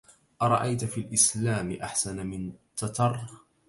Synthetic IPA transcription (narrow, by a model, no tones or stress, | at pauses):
ʔɑɾˤɑ̰ʔajt̪filʔɪslaːmɪʔaħsanamɪnt̪ːɑt̪ɑrˤ